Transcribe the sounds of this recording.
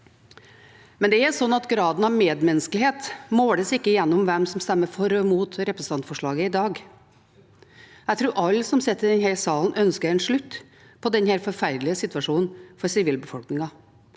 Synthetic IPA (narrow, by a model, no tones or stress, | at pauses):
mɛnd̪ɛæɾʂɔnːɑt̪ɡɾɑːd̪n̩ɑʋmeːd̪mɛnəsklheːt̪moːɽəsɪkːəɪjɛnːɔmʋɛmsɔmst̪ɛmːəfɔɾɔmuːt̪ɾɛpɾsəɑnt̪fɔʂɭɑːɡəɪd̪ɑːɡ | jæɡt̪ʰɾuːɾʔɑlːsɔmsɛt̪ːəd̪ɛnɦæɾsɑːln̩ʔœnskəɾɛnʂɭʉt̪ː | pʰɔd̪ɛnhæɾfɔɾfæɾd̪lɪəsɪt̪ʋɑʂuːnn̩fɔɾsɪʋiːlbəfɔlknɪŋɑ